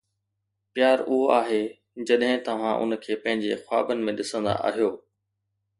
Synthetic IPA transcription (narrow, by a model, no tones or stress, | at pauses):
pɪjaːɾʊɦoaːɦeː | d͡ʑɐɗɦɪ̃t̪ɐʋ̤ãʔʊ̰nkʰeːpɐ̃ɦɪ̃ɲd͡ʑḛxwa̰ːbənɪ̆mẽɗɪsə̃nd̪a̰ʔa̰ːɦijoː